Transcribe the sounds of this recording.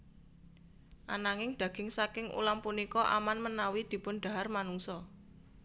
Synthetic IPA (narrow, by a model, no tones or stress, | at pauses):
ʔanaŋɪŋɖ̥ä̤ɡ̥ɪ̤ŋsakɪŋʔṵlampunikɔʔa̰manmənawid̪̥i̤pʊnɖ̥̪a̤ɦarmanuŋsɔ